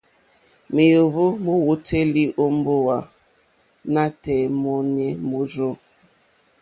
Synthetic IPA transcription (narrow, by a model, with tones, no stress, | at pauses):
mi˨jo˨βo˦mo˦wo˦te˦li˦ʔo˦m˦bo˦wa˨ | na˦tɛ˨mɔ˦n˦ɛ˦mo˦zo˦˨